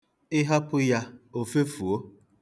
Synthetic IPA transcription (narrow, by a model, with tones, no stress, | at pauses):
ɪ˦ɦa˦pʊ˦ja˦o˨fe˦fu˨o˦